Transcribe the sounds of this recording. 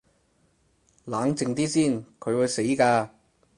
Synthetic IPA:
laː˨˥ŋt͡sɪ˨˧ŋt̪iː˥siː˥˩nkʰɵ˨˧ɥwu˨˧jse˨˥jkaː˧

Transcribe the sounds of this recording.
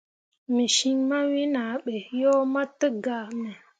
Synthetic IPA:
mi˨ʃi˦ŋma˦wi˦na˨˦ɓe˨jo˦ma˦tə˦ɡa˨mə˨

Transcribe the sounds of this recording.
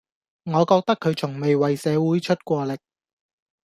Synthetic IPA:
ŋɔː˨˧kɔː˧k̚t̪ɐ˥kʰːɵ˨˧ɥt͡sʰʊ˨˩ŋme˨jwɐ˨jsɛː˨˧wuː˨˥jt͡ʃʰɵ˥t̚kʷɔː˧lɪ˨k̚

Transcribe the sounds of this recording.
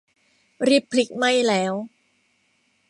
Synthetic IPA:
ɾi˦˥pʰːli˦˥k̚ma˥˩jlɛː˦˥w

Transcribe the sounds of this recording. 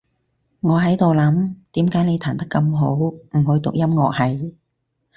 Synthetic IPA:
ŋɔː˨˧ɦɐ˨˥jt̪o˨wlɐ˨˥mt̪iː˨˥mkaː˨˥jne˨˧jt̪ʰaː˨˩nt̪ɐ˥kːɐ˧mɦo˨˥wm̩˨˩hɵ˨˧ɥt̪ʊ˨k̚jɐ˥mŋɔː˨k̚hɐ˨j

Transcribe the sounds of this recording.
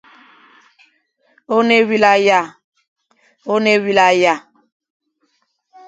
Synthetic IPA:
o˦ne˦wi˦la˦ja˦˨ | o˦ne˦wi˦la˦ja˦˨

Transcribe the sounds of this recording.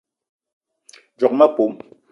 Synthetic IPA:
d͡ʒɔ˨k̚ma˦po˨˦m

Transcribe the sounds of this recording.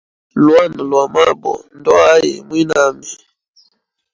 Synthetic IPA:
lwa˦˨n˨lwa˨ma˦bɔ̰˨n˦dɔ˦a˦jḭ˨mwi˦na˦mi˨

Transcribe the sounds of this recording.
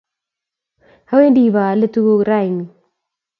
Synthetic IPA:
ha˦we˦ndi˨ba˨lə˦tu˦ɡo˦ɡɾa˦˨i˨ni˨

